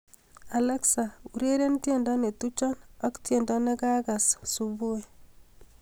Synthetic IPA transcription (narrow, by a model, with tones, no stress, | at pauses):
a˨le˦ksa˨u˨ɾe˦ɾe˦ntje˦˨ndɔ˦ne˨tu˦t͡ʃɔ˦nɔ˦ktje˨ndɔ˦ne˦ka˦ka˨ssu˨βu˦e˨